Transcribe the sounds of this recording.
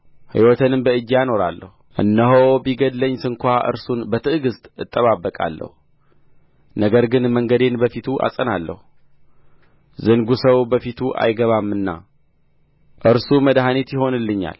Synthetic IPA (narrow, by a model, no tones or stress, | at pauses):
hɨ̰jwɔt̪ʰənɨmbəɨd͡ʒːjano̞ɾa̰lːə̰huʔɨnːəɦobiɡəd̪ləɲːsɨŋkʷaʔɨ̰ɾsunbət̪ʰɨɨɡɨst̪ʼɨt̪ʼːəβabːəkʼa̰lːə̰hu | nəɡəɾɡɨnməŋɡəd̪e̞nbəfit̪ʰuʔa̰sʼənalːə̰hu | zɨŋɡusəwbəfit̪ʰuʔa̰jɡəβamːɨnːa̰ | ʔɨɾsuməd̪ɦanet̪jɪɦo̞nɨlːɨɲːa̰l